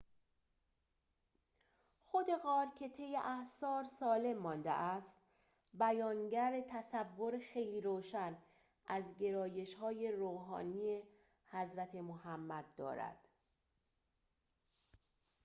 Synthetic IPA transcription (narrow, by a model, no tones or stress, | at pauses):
xo̞d̪e̞ɣɒːɾcʰe̞t̪ʰe̞jːeʔæhsɒːɾsɒːle̞mːɒːnd̪ḛʔæst̪ | bæjɒːnɟæɾet̪ʰæsævːo̞ɾexe̞jliːɾoːʃæn | ʔæzɟe̞ɾɒːje̞ʃhɒːje̞ɾoːɦɒ̰ːniːe̞ | hæzɾæt̪ʰe̞mohæmːæd̪̚ːɒ̰ːɾæ̰d̪̥